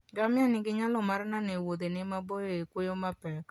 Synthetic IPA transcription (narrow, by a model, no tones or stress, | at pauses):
ɡamɪanɪɡɪɲalɔmaɾnanewod̪enɪmabojoekwojomapɛk